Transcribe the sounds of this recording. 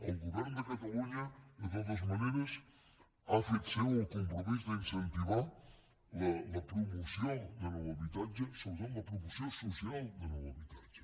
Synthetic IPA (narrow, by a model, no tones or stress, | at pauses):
elɡuβɛɾnd̪ekat̪aluɲaðet̪ot̪̬ozmaneɾes | afesawukumpɾomizðeinsent̪iβa | lalapɾomusjoŋd̪elaaβit̪ad͡ʒesoβsanlɐpɾumusjosusjalˠd̪elawaβit̪ad͡ʒe̥